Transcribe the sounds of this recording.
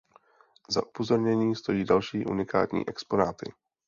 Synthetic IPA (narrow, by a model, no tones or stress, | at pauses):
za̰ʔupo̞zo̞ɾɲɛɲiːst̪o̞jiːdalʃiːʔṵnɪka̰ːt̪ɲḭːʔɛkspo̞naːt̪ɪ̰